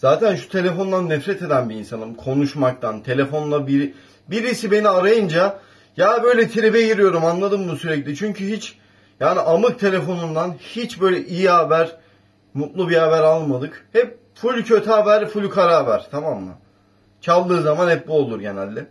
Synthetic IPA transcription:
z̥aːt̪ʰænʃu̥t̪ʰe̞lʲe̞fo̞nd̪anːɛfɾɛt̪ʰe̞d̪ænbiːnsanɯmkʰo̞nuʃmak̚t̪ʰant̪ʰe̞lʲe̞fo̞nlˠabiɾ | biɾisibe̞niaɾajɯnd͡ʒa | jaːbø̞jlʲɛt̪ʰiɾibɛɟiɾijo̞ɾumanlˠad̪ɯmbusyɾɛclʲit͡ʃʰyɲcyɦit͡ʃ | jaːniʔamɯk̚t̪ʰe̞lʲe̞fo̞nund̪anhit͡ʃbø̞jlʲɛʔijihabæɾ | mut̪lˠubihabæɾalˠmad̪ɯkhɛp̚ | fulʲcʰø̞t̪ʰaːbæɾfulʲkʰaɾaːbæɾ̥t̪ʰamamːa̰ | t͡ʃʰalˠːɯːzamanhɛp̚buolˠuɾɟe̞næ̰lʲːɛ

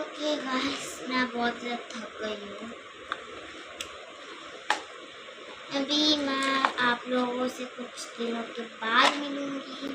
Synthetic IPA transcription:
okeɡaːsnabɔːt̪zat̪ʰɐkɡɐiũ | ɐbʱimɛ̃aːploːɡõsekʊt͡ʃʰd̪ɪnõkebaːd̪mɪlũːŋɡi

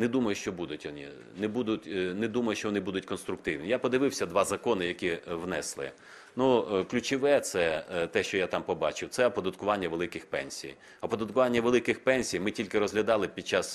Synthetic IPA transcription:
nɛd̪umɐjʊʃt͡ʃɔbud̪ʊtʲʋɔnʲḭ | nɛbud̪ʊtʲnɛd̪umɐjʊʃt͡ʃɔʋɔnɪbud̪ʊtʲkɔnst̪ɾʊk̚t̪ɪwnʲijapɔd̪ɪʋɪwsʲɐd̪ʋɑzɐkɔnɪjɐkʲiwnɛslˠɪ̰ | nuklʲut͡ʃɪʋɛt̪sɛt̪ɛʃt͡ʃɔjat̪ɑmpɔbɑt͡ʃɪwt̪sɛɐpɔd̪ɐt̪kʊʋɑnʲːɐʋelˠɪkɪxpɛ̰nʲsʲḭj | ɐpɔd̪ɐt̪kʊʋɑnʲːɐʋelˠɪkɪxpɛnʲsʲijmɪtʲilʲkɪɾɔzɦlʲɐd̪ɑlˠɪpʲid̥̚ʲt͡ʃɑs

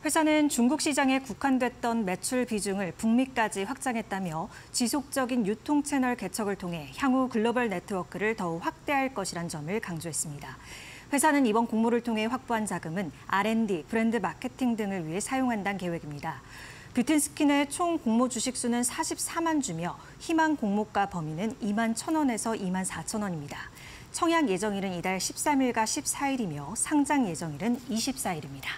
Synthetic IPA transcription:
ɸwe̞sʰanɯnt͡ɕuŋɡuk̚ɕ͈id͡ʑaŋe̞kukʰandwe̞t̚t͈ʌnme̞t͡ɕʰuɭpid͡ʑuŋɯɭpuŋmik͈ad͡ʑiɸwak̚t͡ɕ͈aŋɦe̞t̚t͈amjʌt͡ɕisʰok̚t͡ɕ͈ʌɡinjutʰoŋt͡ɕʰe̞nʌɭke̞t͡ɕʰʌɡɯɭtʰoŋɦe̞çjaŋukɯɭːobʌɭne̞tʰɯwʌkʰɯɾɯɭtʌuɸwak̚t͈e̞ɦaɭk͈ʌɕʰiɾand͡ʑʌmɯɭkaŋd͡ʑoɦe̞s͈ɯmɲida | ɸwe̞sʰanɯnibʌnkoŋmuɾɯɭtʰoŋɦe̞ɸwak̚p͈oɦant͡ɕaɡɯmɯnaɾe̞ndipʰɯɾe̞ndɯmakʰe̞tʰiŋdɯŋɯɭɥiɦe̞sʰajoŋɦandanke̞we̞ɡimɲida | pjutʰinsʰɯ̥kʰine̞t͡ɕʰoŋkoŋmod͡ʑuɕʰik̚s͈unɯnsʰaɕʰip̚s͈amand͡ʑumjʌ | çimaŋkoŋmok͈apʌminɯnimant͡ɕʰʌnwʌne̞sʰʌʔimansʰat͡ɕʰʌnwʌɲimɲida | t͡ɕʰʌŋɦjaŋje̞d͡ʑʌŋiɾɯnidaɭɕʰi̥p̚s͈amiɭɡaɕʰip̚s͈aiɾimjʌsʰaŋd͡ʑaŋje̞d͡ʑʌŋiɾɯniɕʰip̚s͈aiɾimɲida

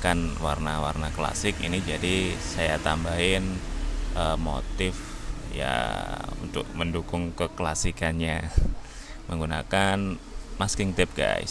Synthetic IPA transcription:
kanwarnawa̰rnakla̰sɪkḭnid͡ʒadisajat̪ambaɦɪnʔəmo̰t̪ɪfja̰ṵnt̪ʊ̰k̚məndukʊŋkəklasikanɲa | məŋɡuna̰kanmaskɪŋt̪ɪp̚ɡa̰js

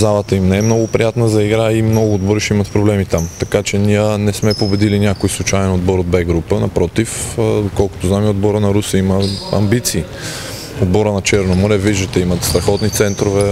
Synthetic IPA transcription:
zalˠət̪əimnɛɛmnɔɡʊpɾijat̪nəzɐiɡɾaimnɔɡʊːd̪boɾiʃimɐt̪pɾoblɛmit̪amt̪ɐkat͡ʃɛniənɛsmɛpobɛd̪ilinʲjakojslˠut͡ʃajɛnod̪bɔɾod̪̚bɛɡɾupənɐpɾɔt̪ifokɔlˠkʊ̥t̪oznamiod̪̚bɔɾənɐɾusiməɐ̰mbit̪siː | od̪̚bɔɾənɐt͡ʃɛɾnomoɾɛviʒd̪ət̪ɛimɐt̪st̪ɾɐxɔt̪nit̪sɛnt̪ɾovɛ

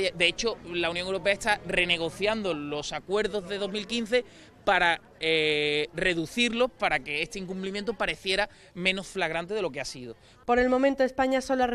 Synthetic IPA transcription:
d̪e̞et͡ʃo̞launjoŋewɾo̞pe̞aest̪are̞ne̞ɣ̞o̞θjand̪o̞lo̞sakwe̞ɾðo̞zðe̞ðo̞ɦmilkin̟θe̞ | paɾa | ere̞ðuθiɾlo̞hpaɾake̞est̪eiŋkumplimjent̪opaɾe̞θje̞ɾa | mẽ̞no̞sflaɣ̞ɾant̪̬e̞ðe̞lo̞keasiðo | po̞ɾe̞lmõ̞mẽnt̪oespaɲasola

